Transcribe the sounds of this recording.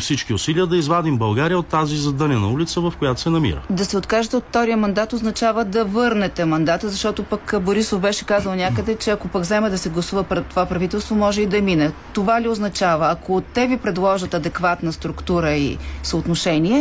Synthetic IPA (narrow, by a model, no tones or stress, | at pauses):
fsit͡ʃkiʊsiliəd̪ɐizvad̪imbɐlˠɡaɾijəot̪ːazizɐd̪ənʲɐnɐ̰ulit̪səvɐfkojat̪o̥sɛnɐmḭɾə̰d̪ɐsɛot̪kaʒɛt̪ɛot̪ːɔɾiəmɐnd̪at̪oznɐt͡ʃavəd̪ɐvɤɾnɛt̪ɛmɐnd̪at̪əzɐʃt̪ɔt̪opəkboɾisofbɛʃɛkazəlˠnʲakəd̪ɛt͡ʃɛɐkopəɡvzɛmɛd̪ɐsɛɡlˠɐsuvəpɾɛt̪ːovapɾɐvit̪ɛlˠst̪vomɔʒɛid̪ɐminɛt̪ovalioznɐt͡ʃavəːkʰot̪ɛvipɾɛd̪lˠɔʒət̪ɐd̪ɛkvat̪nəst̪ɾukt̪uɾəḭsəːt̪noʃɛniɛ